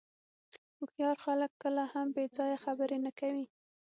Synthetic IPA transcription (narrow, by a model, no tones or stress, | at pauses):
ʊxjɑɾxaləkːəlahambed͡zɑjaxabəɾenakawi